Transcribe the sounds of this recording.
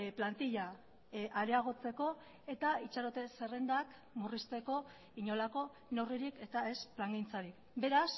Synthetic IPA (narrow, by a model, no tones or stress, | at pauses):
plant̪iʎa | ʔaɾeaɣ̞o̞t͡se̞ko̞ | e̞t̪ait͡ʃaɾot̪e̞se̞re̞nd̪ak | murist̪e̞ko̞ | iɲo̞lako̞ | noriɾike̞t̪ae̞splaŋɡint͡saɾik | be̞ɾas